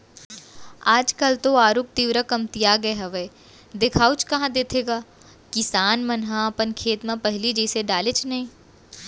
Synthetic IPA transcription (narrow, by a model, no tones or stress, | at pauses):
aːd͡ʒkɐlt̪oaːɾuk̚t̪iːʋɾəkɐmt̪ijaɡɐeɦɐʋeː | d̪ɪkʰaːut͡ʃkɐɦãd̪eːt̪ʰeːɡaː | kɪsaːnmɐnɦãɐpənkʰeːt̪mãpɐɦɪlid͡ʒɛːseɖaːlet͡ʃnɐɦĩː